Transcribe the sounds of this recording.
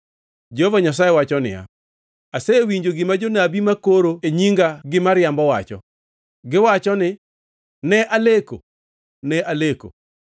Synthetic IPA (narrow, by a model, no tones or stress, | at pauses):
d͡ʒehovaɲas̬ajewat͡ʃɔnɪ̰ja̰ | aseewiɲd͡ʒoɡɪmad͡ʒonabimakoɾoeɲiŋɡaɡɪmaɾɪjambɔwa̰t͡ʃɔ̰ | ɡɪwat͡ʃɔnɪ | nɛʔaleko | nɛʔaleko̰